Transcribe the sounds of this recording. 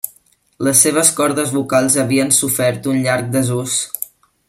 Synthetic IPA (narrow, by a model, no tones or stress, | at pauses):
ləsːeβ̞əskɔɾðəzβukalˠzəβiənsufɛɾt̪unʎaɾk̚d̪əzus